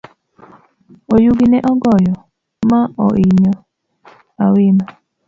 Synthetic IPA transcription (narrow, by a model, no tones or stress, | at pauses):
ojuɡinɛʔɔɡɔjɔ | maɔ̰ʔiɲɔ | awɪnɔ